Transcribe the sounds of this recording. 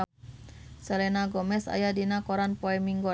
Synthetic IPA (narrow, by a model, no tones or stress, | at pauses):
selenaɡɔmɛsa̰jadinakoɾanpoɛmiŋɡo